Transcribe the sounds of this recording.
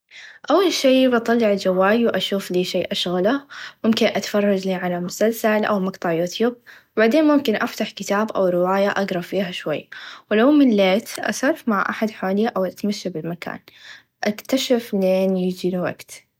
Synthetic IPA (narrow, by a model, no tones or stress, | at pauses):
ʔawːalʃiːbʔɑt̪ˤɑlːɪʕɪld͡ʒawːaːjwʔaʃuːfliːʃeːʔaʃɣalamʊmkɪnʔat̪ḁfɑrˤːɑd͡ʒliːʕalamʊsalsalʔa̰wmɑɡt̪ˤɑʕjuːt̪juːb̚ | baʕd̪eːnmʊmkɪnʔaft̪aħkɪt̪aːbʔa̰wɾɪwaːjaʔaɡɾˤɑfiːɦaʃwajːwlawmɪnleːt̪ʔa̰sɑɾˤfmaʕʔa̰ħad̪ħaːlɪjːʔawʔat̪maʃːabɪlmaka̰ːn | ʔakt̪aʃɪfleːnjɪd͡ʒilwa̰ɡt̪